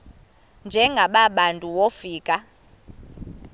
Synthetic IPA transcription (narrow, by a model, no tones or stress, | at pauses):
nd͡ʒʱɛŋɡʱaɓaɓantʼuwofiːkʼa